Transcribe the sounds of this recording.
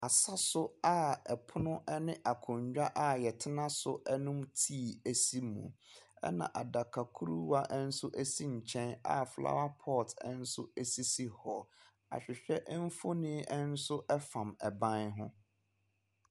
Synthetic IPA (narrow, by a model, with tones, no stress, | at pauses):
a˨sa˦sʊ˦a˦ɛ˨pʰʊ˦nʊ̃˦ʔɛ˦nɪ̃˦ʔa˨kʰʊ̃˨ɲd͡ʑᶣa˦ʔa˨jɛ˨tʰɪ˦nã˦sʊ˦ʔɛ˦nʊ̃˦mtʰi˦˨æ˨si˦mṵ̃˨ɛ̰˦nã̰˨ʔa˨da˨kʰa˨kʰu˦ɾu˦wa˦ʔɛ˦n̩˦sʊ˦ʔæ˦si˦ɲ̩˨t͡ɕʰɛ̃˦na̰˦fla̰˦wa˦pʰɔ˦˨tʰɛ˦n̩˦sʊ˦æ˦si˦si˦hɔ˨ | a̰˨ɕᶣɪ˨ɕᶣɛ˦ʔm̩˦fo˦nĩ˦ɛ˦n̩˦sʊ˦ʔɛ˦fã˨mɛ˨bã˦nɦʊ̰̃˦